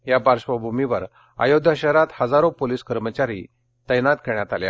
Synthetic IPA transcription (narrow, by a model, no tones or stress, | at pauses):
jabaɾɕʋəbʱumiʋəɾ | a̰jod̪ʱjaɕəɾat̪həd͡zaɾopoliːskəɾmət͡ɕaɾḭ | t̪əjnat̪kəɳjat̪a̰lja̰